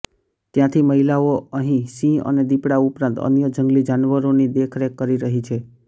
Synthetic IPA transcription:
t̪jãt̪ʰiməɦilaoəɦĩsĩə̰ned̪ipɽaupɾãnt̪ə̰njəd͡ʒəŋɡlid͡ʒanʋəɾonid̪ekʰɾekəɾiɾəɦit͡ʃʰe

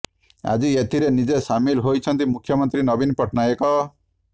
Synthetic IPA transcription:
a̰d͡ʒiet̪ʰiɾenid͡ʒesamilɦojt͡ʃʰɔnt̪imukʰjɔmɔnt̪ɾinɔbinpɾɔʈʰnajekɔ

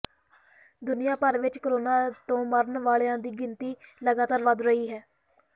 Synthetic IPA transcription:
d̪ʊnɪjãːpəɾʋɪt͡ʃkəɾoːnaːt̪õːməɾənʋaːɭejãːd̪iːɡɪnt̪iːləɡaːt̪aːɾʋəd̪ɾəiːɦɛː

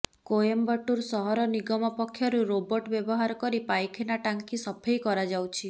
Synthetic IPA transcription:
kojembɔʈuɾsɔɦɔɾɔniɡɔmɔpɔkʰːjɔɾuɾobɔʈbjebɔɦaɾɔkɔɾipajkʰenaʈaŋkisɔpʰejkɔɾad͡ʒawt͡ʃʰi

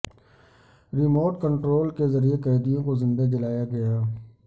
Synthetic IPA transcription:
ɾɪmoːʈkə̃ɳʈɾoːlkezɐɾiekɛːd̪ijõkozɪ̃nd̪ad͡ʒɐlaːjaɡɐjaː

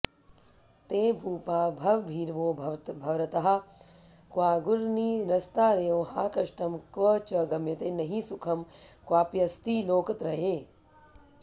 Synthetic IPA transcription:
t̪eːbʱuːpaːbʱɐʋbʱiːɾʋoːbʱɐt̪bʱɐʋɾɐt̪ɐɦɐ̆ | kʋaːɡuɾniːɾɐst̪aːɾɐjoːɦaːkɐʃʈɐmkʋət͡ʃɐɡɐmjɐt̪eːnɐɦisukʰɐmkwaːpjɐst̪iːloːkɐt̪ɾɐɦeː

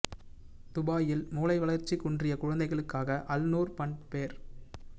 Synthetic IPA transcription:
t̪ʊbaːjɪlmuːlɐɪʋɐɭɐɾt͡ʃːikʊɳdrɪjɐkʊɻɐnd̪ɐɪɣɐɭɯkːaːɣɐʔɐlnuːɾpɐɳpeːɾ

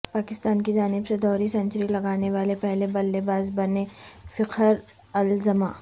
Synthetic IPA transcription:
paːkɪst̪aːnkid͡ʒaːnɪbsed̪ɔːɾisɐ̃ɲt͡ʃɾilɐɡaːneʋaːlepɛɦlebɐlːebaːzbɐnefɪqʰəɾ | ɐlzɐma̰ː

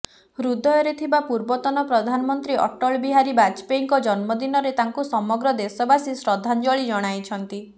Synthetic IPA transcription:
ɾud̪ʱɔjɔɾet̪ʰibapuɾbɔt̪ɔnɔpɾɔd̪ʱanɔmɔnt̪ɾiʔɔ̰ʈɔɭbiɦaɾibat͡ʃpeŋkɔd͡ʒɔnmɔd̪inɔɾet̪aŋkusɔmɔɡɾɔd̪esɔbasisɾɔd̪ʱːand͡ʒɔɭid͡ʒɔɽ̃ajt͡ʃʰɔnt̪i

